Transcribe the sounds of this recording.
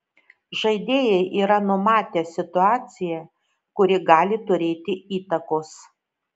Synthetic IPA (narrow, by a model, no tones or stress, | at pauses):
ʒɐɪd̪ʲeːjɛɪʔiːɾɐnʊmɑːt̪ʲeːsʲɪt̪ʊɑːt̪sʲɪjɛ | kʊɾʲɪɡɑːlʲɪt̪ʊɾʲeːt̪ʲɪiːt̪ɐkoːs